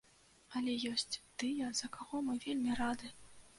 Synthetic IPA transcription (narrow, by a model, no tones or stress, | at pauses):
ɐlʲɛjɔsʲt͡sʲt̪ɨjɐzɐkaɣɔmɨvʲelʲmʲirad̪ɨ